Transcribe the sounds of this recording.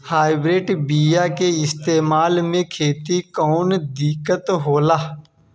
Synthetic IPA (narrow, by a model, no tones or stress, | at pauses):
haːɪbɾeːʈbiːjakeɪst̪eːmaːlmẽkʰeːt̪ikɔːnd̪ɪkət̪ɦoːlaː